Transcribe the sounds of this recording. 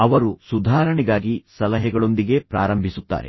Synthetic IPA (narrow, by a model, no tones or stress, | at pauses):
ɐʋɐɾusud̪ʱaːɾɐɳɛɡaːɡisɐlɐɦɛɡɐɭo̞nd̪iɡe̞pɾa̰ːɾɐmbʱisut̪ːa̰ːɾe̞̰